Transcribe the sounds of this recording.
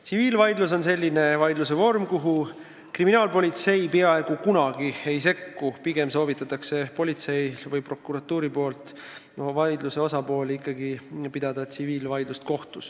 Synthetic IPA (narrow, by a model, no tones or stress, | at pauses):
t̪siviːlvɑjd̪lus̬o̞nse̞lʲːine̞vɑjd̪lus̬e̞vo̞rmkuɦu | kriminɑːlpo̞lʲit̪se̞jpeɑe̞ɡ̥ukunɑɡ̥ie̞jse̞kːupiɡe̞mso̞ːvit̪ːˑɑt̪ːˑɑkse̞po̞lʲit̪se̞jlvɯjpro̞kːˑuɾɑt̪ːˑuːɾipo̞ːlt̪ˑ | vɑjd̪luse̞o̞sɑpo̞ːlikːˑɑɡipid̪̥ɑd̪̥ɑt̪siviːlvɑjd̪lust̪̚ko̞ht̪us